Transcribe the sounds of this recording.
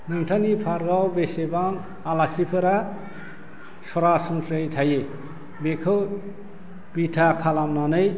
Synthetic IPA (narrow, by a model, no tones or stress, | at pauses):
nɯŋtʰanipʰaɾɡawbesebaŋ | alasipʰɯɾa | sɔɾasuŋsejt̪ʰaje | bekʰɯw | b̥itʰakʰalamnanɯj